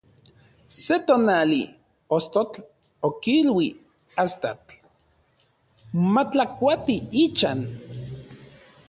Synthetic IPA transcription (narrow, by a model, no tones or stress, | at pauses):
set̪onali | ost̪ot͡ɬ | okilwi | ast̪at͡ɬ | mat͡ɬakʷat̪iit͡ʃan